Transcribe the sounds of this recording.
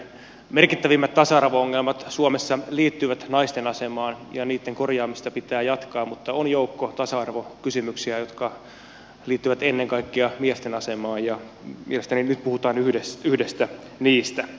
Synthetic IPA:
merkit̪ːæʋimːæt̪t̪ɑsɑɑrʋooŋːelmɑt̪suomesːɑliːt̪ːyʋæt̪nɑist̪enɑsemɑːnjɑniːt̪ːeŋkorjɑːmist̪ɑpit̪æːjɑt̪kɑːmmut̪ːɑonjoukːot̪ɑsɑɑrʋokysymyksiæjot̪kɑ | liːt̪ːyʋæt̪enːeŋkɑikːiɑmiest̪enɑsemɑːjjɑ | mḭelest̪æninyt̪̚puhut̪ɑːnyhdesyhdest̪æ | niːst̪æ

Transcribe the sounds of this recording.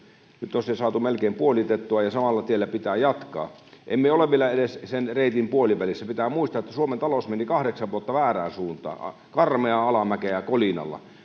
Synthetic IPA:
nyt̪ːosesɑːt̪umelkeimpuolit̪et̪ːuɑjɑsɑmɑlːɑt̪ielːæpit̪æːjɑt̪kɑ̰ː | ʔḛmmieoleʋʋielːɑedessenreit̪impuoliʋælisːæpit̪æːmuist̪ɑet̪ːæsuoment̪ɑlosmenikɑhɾeksɑʋʋuot̪ːɑʋæːræːnsuːnt̪ɑ̰ː | kɑrmeɑɑlɑmækejækolinɑ̰lːɑ̰

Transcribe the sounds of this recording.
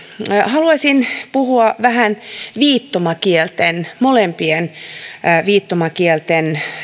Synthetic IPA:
hɑluɑsʲinpuhuɑʋæhænʋiːt̪ːomɑkielt̪enmolempien | ʋiːt̪ːomɑkielt̪en

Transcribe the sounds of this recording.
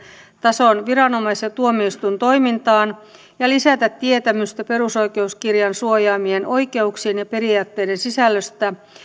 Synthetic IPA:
t̪ɑsonʋiɾɑno̞mɑiset̪uomiist̪unt̪o̞imint̪ɑːn | jɑlisæt̪æt̪tiet̪æmyst̪æpe̞ɾuso̞ijke̞uskirjɑnsuojɑːmieno̞jke̞uksiːnjɑpe̞ɾiɑːt̪ːe̞jdensisælːøst̪æ

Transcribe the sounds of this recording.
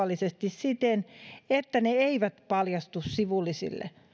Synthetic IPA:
ɑlːˑisest̪issit̪enet̪ːæneeiʋæt̪pɑljɑst̪ussiʋulːisḭlːḛ

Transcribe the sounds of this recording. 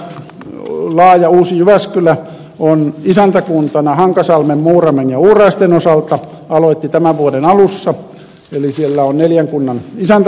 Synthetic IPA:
lɑːjɑuːsijyʋæskylæ | onisænt̪ækunt̪ɑnɑhɑŋkɑsɑlmemmuːrɑmenjɑuːrɑist̪enosɑlt̪ɑ | ɑloit̪ːit̪æmæʋʋuodenɑlusːɑ | elisielːæonneljæŋkunːɑnisænt̪

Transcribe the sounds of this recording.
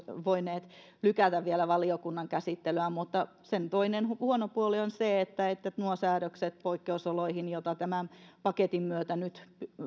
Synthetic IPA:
ʋoineːt̪ | lykæt̪æʋʋielæʋɑliokunːɑŋkæsit̪ːeløæmut̪ːɑ | sent̪oinenhhuonopuolionseet̪ːæet̪ːænuosæːɾøkset̪̚poikːeusoloihinjot̪ɑt̪æmæpɑket̪immyøt̪ænyt̪p

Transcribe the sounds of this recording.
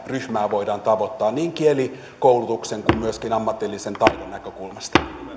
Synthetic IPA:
ryhmæːʋo̞idɑːnt̪ɑʋo̞t̪ːɑːnniːŋkieli | kowlut̪ukseŋkummyøskinɑmːɑt̪ːilːise̞nt̪ɑjdonːækøkulmɑst̪ɑ̥

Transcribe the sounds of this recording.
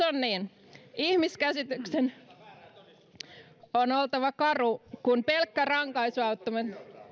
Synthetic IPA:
onniːn | ihmiskæsit̪yksen | onolt̪ɑʋɑkɑrukunpelkːærɑŋkɑisuɑut̪ːomɑt̪

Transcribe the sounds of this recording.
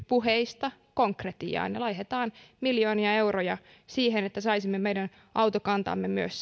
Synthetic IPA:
puheist̪ɑkoŋkret̪ḭɑ̰ːnjɑlɑiɦet̪ɑːnmiljoːniɑe̞wrojɑ | siːhenet̪ːæsɑisimːemejdæn | ʔɑwt̪okɑnt̪ɑ̰mːemyøs

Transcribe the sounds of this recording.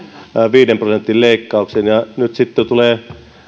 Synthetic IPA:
ʋiːdemprosent̪ːˑilleˑikːɑˑuksenjɑnyt̪sit̪ːet̪uleː

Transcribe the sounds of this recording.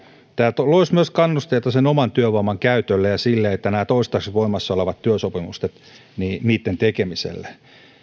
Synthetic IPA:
t̪æːlt̪loismyøskɑnːust̪eːt̪ɑsenomɑnt̪yøʋoimɑŋkæyt̪ølːejɑsilːeet̪ːænæːt̪oist̪ɑksiʋoimɑsːɑoleʋɑt̪tyøsopimust̪et̪ | niːniːt̪ːent̪ekemisḛlːæ

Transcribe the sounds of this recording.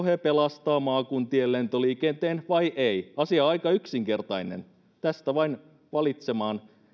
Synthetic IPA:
hepelɑst̪ɑːmɑːkunt̪ielːent̪oliːkent̪eːnʋɑiʔeiɑsiɑɑikɑyksiŋke̞rt̪ɑinḛn | t̪æst̪æʋɑin | ʋɑlit̪semɑːn

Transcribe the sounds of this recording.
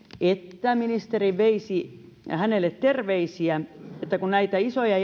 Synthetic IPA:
et̪ːæminist̪eriʋʋeisi | hænelːˑet̪t̪erʋeisiæet̪ːækunnæit̪æisojɑ

